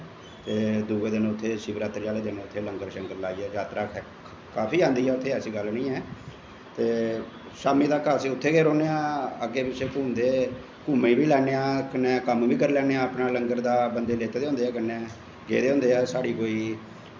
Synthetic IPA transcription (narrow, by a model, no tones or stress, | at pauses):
t̪eːd̪uːɡeːd̪ɪnõːʊt̪ʰːeːʃɪːbəɾaːt̪əɾd͡ʒaːleːd̪ɪnːʊt̪ʰːeːləŋɡəɾʃəŋɡəɾlaːiːɛːd͡ʒaːt̪ɾaːɛ | kaːpʰiːãːnd̪iːɛːʊt̪ʰːeːɛːsiːɡəlnĩːɛː | t̪eː | ʃaːmĩːd̪aːkəsiːʊt̪ʰːeːɡeːɾoːneːãːəɡːeːpɪt͡ʃʰeːkuːnd̪eː | kuːmeiːbiːlɛːneːaːkənɛːkəmbiːkəɾlɛːneːaːəpnaːləŋɡəɾd̪aːbənd̪eːleːt̪eːd̪eɦʊ̃nd̪eːɛːkəneɛː | ɡḛːd̪eːɦʊ̃nd̪eːɛːsaːɽiːkoːiː